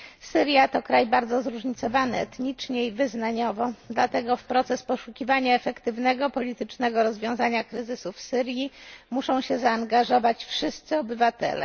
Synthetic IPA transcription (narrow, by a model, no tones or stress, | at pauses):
sɘɾʲjat̪ɔkɾajbaɾd̪zɔzɾuʐɲit̪sɔvanɘɛt̪ɲit͡ʂɲɛivɘznaɲɔvɔd̪lat̪ɛɡɔfpɾɔt̪sɛspɔʂukʲivaɲaɛfɛkt̪ɘvnɛɡɔpɔlʲit̪ɘt͡ʂnɛɡɔɾɔzvʲjɔ̃w̃zaɲakɾɘzɘsufsɘɾʲjimuʂɔ̃w̃ɕɛzaːŋɡaʐɔvat͡ɕfʂɘst̪sɘɔbɘvat̪ɛ̰lɛ̰